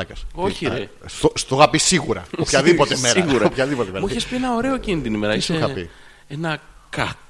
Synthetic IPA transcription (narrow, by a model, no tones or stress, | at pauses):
ɐcɐsoçiɾe | st̪ost̪oɣɐpisiɣuɾɐ̰opçɐðipo̞t̪emeɾiɐɣuɾɐopçɐðipot̪ememuiçespie̞nɐoɾe̞o̞cinit̪inime̞ɾɐsoeoxɐpḭ | enɐ | kɐt̪